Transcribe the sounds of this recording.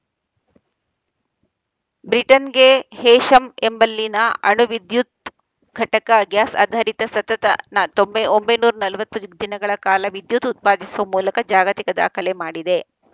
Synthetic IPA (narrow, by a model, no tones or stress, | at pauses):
bɾiʈɐnɡe̞hɛːʃɐmembɐlːinɐɐɳuʋid̪jut̪̚ | ɡʱɐʈɐkɐɡjaːsa̰ːd̪ʱaɾit̪ɐsɐt̪ɐt̪ɐ̰nɐt̪ombɐombɐjnuːɾɐnɐlʋɐt̪ːud̪inɐɡɐɭɐkaːlɐʋid̪jut̪ut̪̚paːd̪isuʋɐmuːlɐkɐd͡ʒaːɡɐt̪ikɐd̪a̰ːkʰɐle̞maːɽid̪e̞